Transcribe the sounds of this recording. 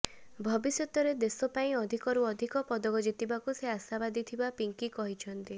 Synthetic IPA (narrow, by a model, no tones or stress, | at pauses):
bʱɔbisjɔt̪ɔɾed̪esɔpaĩɔd̪ʱikɔɾuɔd̪ʱikɔpɔd̪ɔɡɔd͡ʒit̪ibakuseasabad̪it̪ʰibapiŋkikɔɦit͡ʃʰɔnt̪i